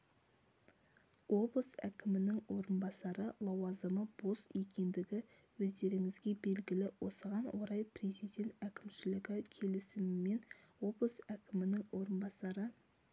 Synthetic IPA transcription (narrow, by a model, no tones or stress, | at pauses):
o̞blˠəsæ̰kʲʰɪmɪnɪŋwo̞ɾənbɑsɑɾəlˠɑwɑzəməb̥o̞sje̞kʲe̞nd̪ɪɡʲɪ | wɵzd̪e̞ɾɪŋɪzɡʲe̞be̞lɡʲɪlɪwʔo̞̰səʁɑnwʔoɾɑjpʰɾe̞zijd̪e̞nt̪ækʲɪmʃɪlɪɡʲɪkʲʰe̞lɪsɪmːe̞nwo̞blˠəsækʲʰɪmɪnɪŋwo̞ɾənbɑsɑɾə